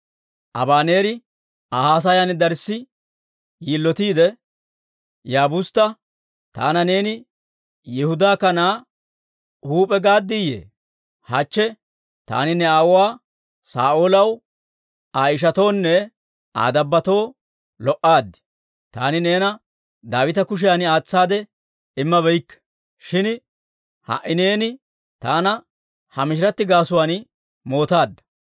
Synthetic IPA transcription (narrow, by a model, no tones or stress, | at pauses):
ʔɐ̰baːne̞ːɾɪ | ahaːs̬ɐjɐnd̪ɐɾsːɪ | jilːɔt̪iːd̪ɛ | jaːbʊst̪ːɐ | t̪a̰ːnɐne̞ːnɪ | jɛhʊd̪aːkɐnaː | huːpʼɛɡaːd̪ːɪjḛː | hɐt͡ʃːɛ | t̪a̰ːnɪnɛawaː | sa̰ːʔolɐw | aːjɪʃ̬ɐt̪o̞ːnːɛ | a̰ːd̪ɐbːɐt̪o̞ː | lɔʔaːd̪ːɪ̥ | t̪a̰ːnɪne̞ːnɐ | d̪aːwɪt̪ɐkʊʃ̬ɪjaːnɪaːt͡sːaːd̪ɛ | ɪmːɐβɛjkːɛ̥ | ʃɪn | hɐ̰ʔɪne̞ːnɪ | t̪aːnɐ | hɐmɪʃɪɾɐt̪ːɪɡaːsʊwaːn | mo̞ːt̪aːd̪ːɐ̥